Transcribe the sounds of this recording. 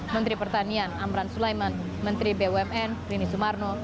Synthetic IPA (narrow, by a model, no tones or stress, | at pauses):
mənt̪ɾipərt̪anianamɾansulajman | mənt̪ɾibewɛmɛnkɾinisumarno